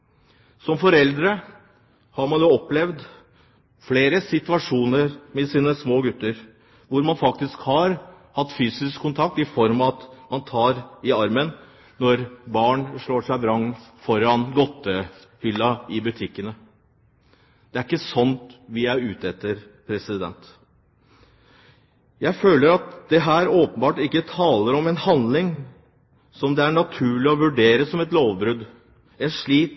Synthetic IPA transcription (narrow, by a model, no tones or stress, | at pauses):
sɔmfɔɾɛld̪ɾə | hɑɾmɑnjoːɔplɛʋd̪ | fleːɾəsɪt̪ʉɑʂuːnəɾmɛsiːnəsmoːɡʉt̪ːəɾ | ʋʊɾmɑnfɑk̚t̪ɪskhɑɾ | hɑt̪ːfyːsɪskʰːʊnt̪ʰɑk̚t̪ɪfɔɾmɑt̪mɑnt̪ʰɑːɾɪɑɾmən | nɔɾbɑːɳʂɭoːʂæɪbɾɑŋfɔɾɑnɡɔt̪ːəhʏlːɑɪbʉt̪ʰɪkːənə | d̪̥ɛæɾɪkːəsɔnt̪ʋɪæʉːt̪ɛt̪ːəɾpʰɾɛsɪd̪ɛ̰nt̪ | jæɪføːləɾɑt̪d̪̥ɛɦæːɾoːpənbɑːʈɪkːət̪ʰɑːləɾɔmɛnhɑnd̪lɪŋ | sɔmd̪ɛæɳɑt̪ʰʉːɭɪɔʋʉɖeːɾəsɔmɛt̪loːʋbɾʉd̪ | ɛnʂɭiːt̪